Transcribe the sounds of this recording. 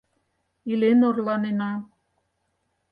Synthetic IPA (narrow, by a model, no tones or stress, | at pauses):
ilenorlɑnenɑ